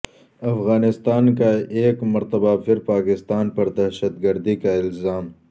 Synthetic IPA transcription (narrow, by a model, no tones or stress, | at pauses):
ɐfɣaːnɪst̪aːnkaeːkmɐɾt̪ɐbapʰɪɾpaːkɪst̪aːnpɐɾd̪ɐɦʃəd̪ɡɐɾd̪ikaɪlzaːm